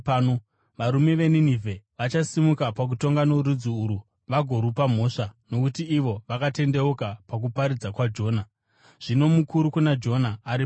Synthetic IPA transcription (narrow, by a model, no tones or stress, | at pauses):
o | ʋaɾume̞ʋe̞ninivʱe̞ʋat͡ʃasimukapak̬uto̞ŋɡano̞ɾud͡ziːɾu | ʋaɡʱo̞ɾupam̤o̞ːʂano̞kutiːʋo̞ʋakate̞nde̞ukapak̬upaɾid͡zakwad͡ʒo̞ːna | ʐ̥ino̞mukuɾukunad͡ʒo̞naːɾip